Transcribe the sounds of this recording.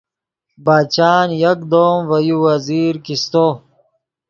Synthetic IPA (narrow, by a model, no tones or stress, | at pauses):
baːt͡ɕaːnjɐkd̪oːmvɐjuwɐziːɾkist̪o